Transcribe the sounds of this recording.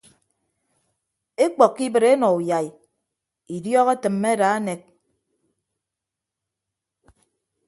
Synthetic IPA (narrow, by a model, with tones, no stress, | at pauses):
e˦k͡pɔ˨kːi˦bɨ˨ɾe˦nɔ˨u˨ja˨i˨ | i˨djɔ˦ɣe˦tɨ˨mːe˦a˦da˨a˦ne˨k̚